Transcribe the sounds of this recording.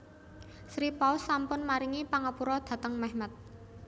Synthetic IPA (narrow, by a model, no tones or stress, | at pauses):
sɾipaʊsːampʊnmaɾiŋipaŋapuɾɔd̪̥ä̤t̪əŋmɛhmat̪̚